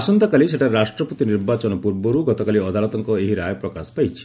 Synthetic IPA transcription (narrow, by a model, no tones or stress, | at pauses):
asɔnt̪ɔkaliseʈʰaɾeɾasʈɾɔput̪iniɾbat͡ʃɔnɔpuɾbɔɾuɡɔt̪ɔkaliɔd̪ʱalɔt̪ɔŋkɔeɦiɾajɔpɾɔkasɔ̥pajt͡ʃʰi̥